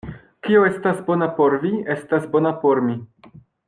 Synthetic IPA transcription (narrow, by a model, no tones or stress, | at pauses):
kioe̞stasbo̞napo̞ɾvie̞stasbo̞napo̞ɾmi